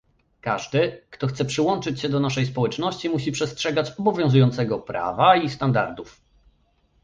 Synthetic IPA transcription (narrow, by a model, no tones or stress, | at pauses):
kaʐd̪ɘkt̪ɔxt̪sɛpʂɘwɔnt͡ʂɘt͡ɕɕɛd̪ɔnaʂɛjspɔwɛt͡ʂnɔɕt͡ɕimuɕipʂɛstʂɛɡat͡ɕɔbɔvʲjɔ̃zujɔnt̪sɛɡɔpɾa̰vaist̪and̪a̰ɾd̪uf